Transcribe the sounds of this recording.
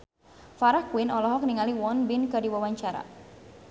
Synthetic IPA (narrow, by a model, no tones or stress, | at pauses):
faɾahkuwɪnɔlɔɦɔk̚niŋaliwɔnbɪnkɨrdiwawaɲt͡ʃaɾa̰